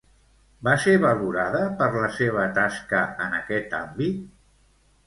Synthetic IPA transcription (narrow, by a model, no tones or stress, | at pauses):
baseβəluɾaðəpəɾləseβ̞ət̪askəənəkɛt̪a̰mbit̪